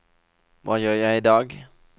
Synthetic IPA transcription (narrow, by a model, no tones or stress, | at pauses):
ʋɑ̰ːjøːjæɪɪd̪ɑːɡ